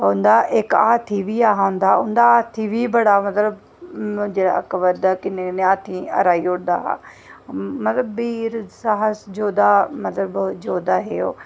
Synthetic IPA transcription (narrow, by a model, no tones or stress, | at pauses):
ɦʊ̃nd̪aʔeka̰ːt̪ʰiʋiaːɦaɦʊ̃nd̪aʊ̃nd̪aːt̪ʰiʋibɐɽamɐt̪ləb̃ | d͡ʒeɐ̰kʋəɾd̪akɪnekɪneaːt̪ʰĩɐ̰ɾaːioɽd̪a̰ɦa̰ | mɐt̪ləbːiːɾsaɦəsd͡ʒoːd̪amɐt̪ləbd͡ʑoːd̪aɦejo̰ː